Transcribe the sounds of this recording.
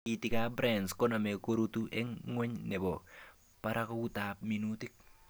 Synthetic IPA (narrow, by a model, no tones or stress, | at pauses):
kitikabɾɛnskɔnamɛkoɾutuʔɛŋːɔɲnɛbɔ | paɾʔakɔkutaːp̚minutɪk̚